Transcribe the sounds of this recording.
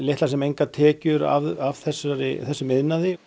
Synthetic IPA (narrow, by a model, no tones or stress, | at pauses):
lejht̪lasɛmejŋkat̪ʰɛːcʏɾa̰vavθɛsːaɾɪ̰θɛsːʏmɪðnaðɪ